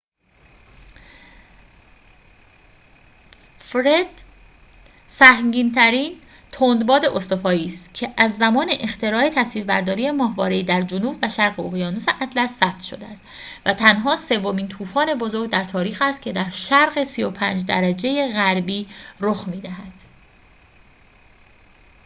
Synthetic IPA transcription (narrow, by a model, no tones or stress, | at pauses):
fɾed̪̥ | sæhmɟiːnt̪ʰæɾiːn | t̪ʰond̪bɒːd̪e̞ʔost̪o̞fɒːiːst̪cʰe̞ʔæzːæmɒːne̞ʔext̪ʰe̞ɾɒːe̞t̪ʰæsviːɾbæɾd̪ɒːɾiːje̞mɒːɦvɒːɾeiːd̪æɾd͡ʒonuːbvæʃæɾɣeoɣijɒːnoseʔæd̪læsːæb̥̚t̪ʰʃo̞̰d̪eæst̪ | væt̪ʰænɦɒːse̞vːo̞miːnt̪ʰuːfɒːne̞bo̞zo̞ɾɡɟ̚d̪æɾt̪ʰɒːɾiːxæst̪̚cʰe̞d̪æɾʃæɾɣe̞sijo̞pʰæːnd͡ʒd̪æɾæd͡ʒe̞jeɣæɾbiːɾoxmiːd̪æhæd̪̥